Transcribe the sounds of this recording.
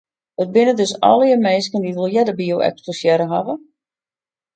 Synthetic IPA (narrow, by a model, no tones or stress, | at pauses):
ət̚bɪnədøsɔ̰lˠiəmeːskəndiʋəlˠjɛdəbiowɛ̰ksposjɛɾəɦavə